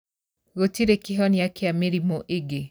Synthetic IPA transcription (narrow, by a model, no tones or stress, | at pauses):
ɣotiɾekeɦɔnɪakeameɾimoʔeɡe